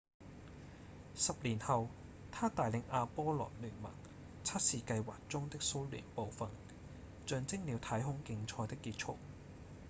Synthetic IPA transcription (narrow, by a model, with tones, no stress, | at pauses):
sɐ˨p̚liː˨˩nhɐ˨w | t̪ʰaː˥t̪aː˨˩jlɪ˨˧ŋʔaː˧pɔː˥lɔ̰ː˨˩nlyː˨˩nmɐ̰˨˩n | t͡sʰɐ˥t̚siː˨˧kɐ˧jwaː˨k̚t͡sʊ˥ŋt̪ɪ˥k̚so˥wly̰ː˨˩npo˨wfɐ˨n | t͡ʃœː˨ŋt͡sɪ˥ŋ̚liː˨˧wt̪ʰɐː˨˥jɦʊ˥ŋkɪ˧ŋt͡sʰɔː˧jt̪ɪ˥kːiː˧t̚t͡sʰʊ˥k̚